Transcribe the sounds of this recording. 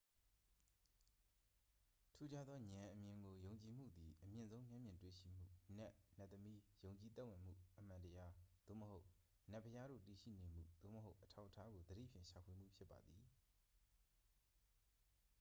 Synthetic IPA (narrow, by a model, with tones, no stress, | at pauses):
tʰu˦d͡ʑa˦d̪ðɔ˦ɲã˨ʔəmjɪ̃˨ŋɡo˨jõ˨ʊ̃ɲt͡ɕi˨m̥ṵ˦˨d̪i˨ʔəmjɪ̃˨nzõ˦ʊ̃mjã˦mjɪ̃˨ntwḛ˦˨ʃḭ˦˨m̥ṵ˦˨nɛ˦ʔnɛ˦˨t̪ːəmi˦jõ˨ʊ̃ɲt͡ɕi˨t̪ɛ˦ʔwɪ̃˨m̥ṵ˦˨ʔəm̥ã˨ntəja˦d̪̥o̰˦˨məho˦ʊ | nɛ˦˨pʰəja˦ɾo̰˦˨ti˨ʃḭ˦˨nẽ˨m̥ṵ˦˨d̪̥o̰˦˨məɦo˦ʊʔətʰa˦ʊʔətʰa˦ɡo˨d̪əɾḭ˦˨pʰjɪ̃˨ʃa˨pʰwe˨m̥ṵ˦˨pʰjɪ˦pːa˨d̪ði˨